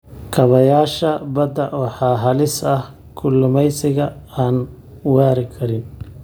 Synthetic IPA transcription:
kʰɐβɐjaːʃɐbɐd̪ɐʔɔːħɑːɦɐlɪsɐh | kʰʊlːʊmɛjsɪɣɐaːn | waːɾɪkʰɐɾɪn

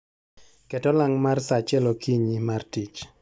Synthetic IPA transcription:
kɛtɔlaŋmarsat͡ʃɛlokiɲimartit͡ʃ

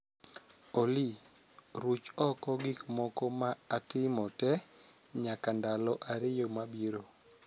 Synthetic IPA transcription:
oli | ɾut͡ʃɔkɔɡikmɔkɔmaːtɪmɔtɛ | ɲakandalɔʔaɾɪjomabiɾo

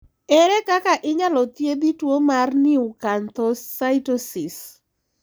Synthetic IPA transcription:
ɛɾɛkakaʔɪɲalɔt̪jebitwomarnɪʊkant̪ɔssaɪtosɪs

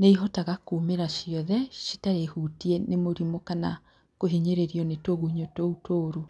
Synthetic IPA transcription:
neiɦɔtaɣakuːmeɾaʃiɔðɛʃi̥taɾehutiɛnemoɾimokana | koɦiɲeɾeɾiɔnetoɣuhiɲotoutʰoːɾu

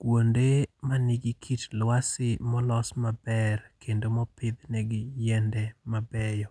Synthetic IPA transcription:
kwondemanɪɡɪkʰitlwasɪmɔlɔsmabɛrkendomɔpɪd̪nɛɡɪjɛndɛmabɛjɔ

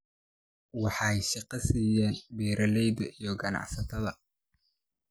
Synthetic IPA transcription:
wɑħɑjʃɑqɑsiːjɛːnbɛːɾʔɐlɛjdɐʔijɞɡɐnɑ̰ʕsɐt̪ʰɐðɐ

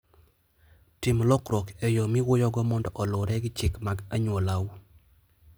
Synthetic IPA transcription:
tɪmlɔkɾɔkejomiwʊjɔɡɔmɔndɔʔɔlʊɾɛɡɪt͡ʃɪkmaɡaɲwolawu

